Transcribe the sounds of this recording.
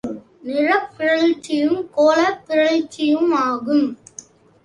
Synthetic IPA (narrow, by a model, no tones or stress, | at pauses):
nɪrɐpːɪɻɐɭt͡ʃːɪjɯmkoːlɐpːɪɻɐɭɪt͡ʃːɪjɯmaːɣɯm